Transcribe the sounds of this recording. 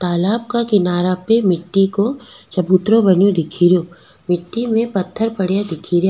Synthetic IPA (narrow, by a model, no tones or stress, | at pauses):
t̪aːlaːb̚kakɪnaːɾapemɪʈːikot͡ʃɐbuːt̪ɾõbɐnjõd̪ɪkʰiːɾjõː | mɪʈːimẽpɐt̪ʰːəɾpɐɽjad̪ɪkʰiːɾja